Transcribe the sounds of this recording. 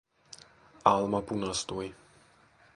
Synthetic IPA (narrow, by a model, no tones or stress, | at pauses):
alˠmapunast̪uj